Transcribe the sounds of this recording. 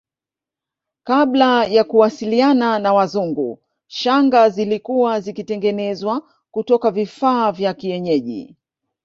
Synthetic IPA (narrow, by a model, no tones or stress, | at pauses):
kaɓlajakuwasiliananawazuŋɡṵ | ʃaŋɡazilikuwazikitɛŋɡɛnɛzwa | kutɔkavifaːvjakiɛɲɛʄḭ